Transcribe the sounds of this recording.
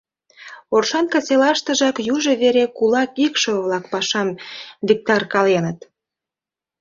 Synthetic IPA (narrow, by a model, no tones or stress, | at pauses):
orʃɑnkɑselɑʃt̪ə̆ʒɑkjuʒə̆βeɾekulɑkikʃŏβlɑkpɑʃɑmβʲik̚t̪ɑrkɑlenət̪